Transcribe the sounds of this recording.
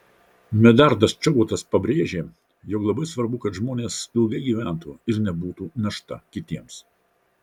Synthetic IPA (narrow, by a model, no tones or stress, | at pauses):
mʲɛd̪ɐɾd̪ɐst͡ʃʲɔbuːt̪ɐspɐbʲɾʲeːʒʲeː | jɔklˠɐbɐɪsʋɐɾbʊkɐt̪ʒmoːnʲeːsɪlˠɡʲɐɪɡʲiːʋʲæˑnt̪uːɪɾnʲɛbuːt̪uːnɐʃt̪ɐ̰kʲɪt̪ʲiɛms